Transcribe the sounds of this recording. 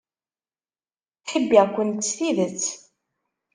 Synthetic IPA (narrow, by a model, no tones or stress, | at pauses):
ħəbːiʁkʷːənt̪ːsθiðət͡sː